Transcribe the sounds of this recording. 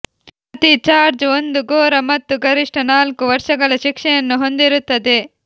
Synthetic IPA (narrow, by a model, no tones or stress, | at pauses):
ɐt̪it͡ʃaːɾd͡ʒo̞nd̪uɡoːɾɐmɐt̪ːuɡɐɾiʂʈɐnaːlkuʋɐɾʂɐɡɐɭɐʃikʂɛjɐnːuɦo̞nd̪iɾut̪ːɐd̪e